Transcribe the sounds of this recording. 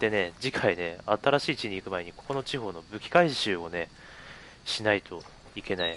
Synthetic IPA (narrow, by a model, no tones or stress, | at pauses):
t̪e̞ne̞d͡ʑikʰaine̞at̪aɾaɕiːt͡ɕiɲ̟iːkɯ̟mae̞ɲ̟iko̞ko̞no̞t͡ɕiɦo̞ːno̞bɯ̟kʲi̥kaiɕɨːo̞ne̞ | ɕinait̪ʰo̞ | ike̞nai